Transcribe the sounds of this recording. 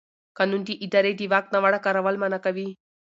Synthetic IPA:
kɐnunt̪iʔid̪ɐɾed̪iʋak̚nɐʋaɽakɐɾɐʋɐlmɐnɐkɐʋi

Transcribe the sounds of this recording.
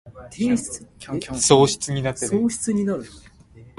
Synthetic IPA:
eɕɨ̥so̞ːɕi̥t͡sɨɲ̟inat̪ːeoːɕi̥t͡sɨɲ̟inaɾɯ̟

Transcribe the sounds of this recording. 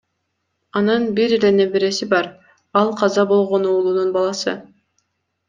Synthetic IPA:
ɑnɯnbiɾele̞nebeɾesibɑɾ | ɑlˠqʰɑzɑbo̞lˠʁo̞nuːlˠununbɑlˠɑsɯ

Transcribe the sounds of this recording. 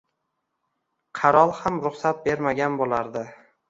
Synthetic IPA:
qʰɑɾɒlˠhamɾʊχsat̪̚be̞ɾmaɡʲanbolˠaɾd̪ɪ

